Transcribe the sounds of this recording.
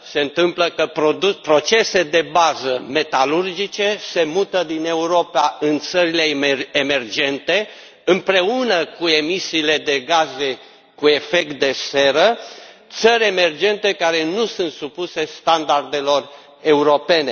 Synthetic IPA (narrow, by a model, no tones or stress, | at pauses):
se̞ɨnt̪ɨmpləkəpɾod̪upɾo̞t͡ʃe̞se̞d̪e̞bazəme̞t̪alurd͡ʒit͡ʃe̞se̞mut̪əd̪ine̞uɾo̞paɨnt̪səɾile̞eme̞rd͡ʒe̞nt̪e̞ | ɨmpɾe̞unəkue̞misiːle̞d̪e̞ɡaze̞ | kue̞fe̞k̚t̪̚d̪e̞se̞ɾət̪səɾʲeme̞rd͡ʒe̞nt̪e̞kaɾe̞nusunt̪supuse̞st̪and̪ard̪e̞lo̞r | e̞uɾo̞pe̞ne̞